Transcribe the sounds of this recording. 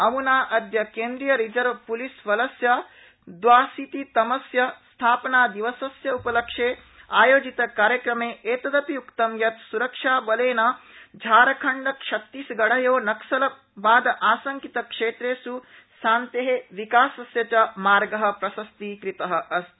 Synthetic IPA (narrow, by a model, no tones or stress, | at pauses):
ɐmunaːʔɐd̪jɐkeːnd̪ɾijɐɾid͡ʒɐɾʋpulisʋɐlɐsjɐ | d̪ʋaːsit̪it̪ɐmɐsjɐst̪ʰaːpɐnaːd̪iʋɐsɐsjɐupɐlɐkʂeː | aːjoːd͡ʒit̪ɐkaːɾjɐkɾɐmeːʔeːt̪ɐd̪ɐpiukt̪ɐmjɐt̪suɾɐkʂaːbɐleːnɐd͡ʒʱaːɾɐkʰɐɳɖɐkʂɐt̪ːisɡɐɽɐjoːnɐksɐlɐ | baːd̪ɐʔaːsɐŋkit̪ɐkʂeːt̪ɾeːsu | saːnt̪eɦeʋikaːsɐsjɐt͡ʃɐmaːɾɡɐɦɐ̆pɾɐsɐst̪ikɾit̪ɐɦɐ̆ʔɐs